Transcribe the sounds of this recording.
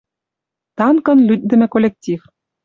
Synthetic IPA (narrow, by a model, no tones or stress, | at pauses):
t̪ɑnkɤ̆nlyt̪̚d̪ɘ̆mɘ̆kolʲek̚tʲif